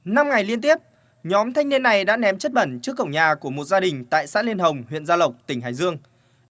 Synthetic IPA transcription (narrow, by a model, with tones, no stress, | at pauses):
na˧mŋa˨˩jli˧ənt̪i˦˥əp̚ | ɲɔ˨˦mt̪ʰa˧jŋni˧ənːa˨˩jɗa̰ː˧˥nɛ˨˦mt͡ɕə˦˥t̚ɓə˧˩nt͡ɕɨ˦˥əkːə̰˧˩wŋ͡mɲaː˨˩ku˧˩əmo˨˩t̚zaː˧ɗï˨˩ŋ̟t̪a̰ː˧˨jsa̰ː˧˥li˧ənɦə˨˩wŋ͡mhwḭ˧˨ənzaː˧lə˨˩wk͡p̚t̪ï˧˩ŋ̟ɦa̰ː˧˨jzɨ˧əŋ